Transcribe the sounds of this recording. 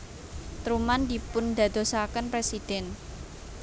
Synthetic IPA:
t̪ɾumand̪ipʊnd̪a̤d̪̥o̤sakənpɾesid̪̥ɛn

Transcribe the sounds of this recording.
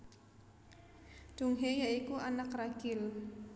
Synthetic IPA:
d̪̥ṳŋɦejaikuʔanakraɡ̥ɪl

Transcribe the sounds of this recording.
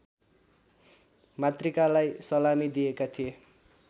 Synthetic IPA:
mat̪rikalajsʌlamid̪ijekat̪ʰije

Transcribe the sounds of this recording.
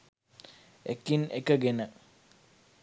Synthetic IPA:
ekːinḛkəɡenə

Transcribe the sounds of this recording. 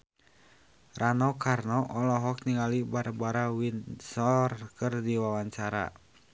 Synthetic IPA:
ranɔkarnɔʔɔlɔɦɔk̚niŋalibarbaɾawinsɔrkɨrdiwawaɲt͡ʃaɾa̰

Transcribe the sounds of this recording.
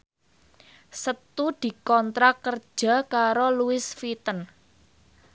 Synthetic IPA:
sət̪ud̪̥i̤kɔnt̪ɾakər̥ʒ̥a̤kaɾoluɪsfit̪ən

